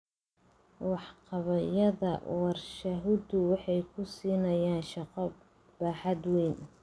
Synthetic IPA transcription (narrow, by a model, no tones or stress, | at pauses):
wɑħqɑβɐjɐðɐ̰ɑrʃɐɦʊd̪ʊwɑħɑjkʰʊsiːnɐjaːnʃɑqɔ | b̥aːħɑd̪wɛːn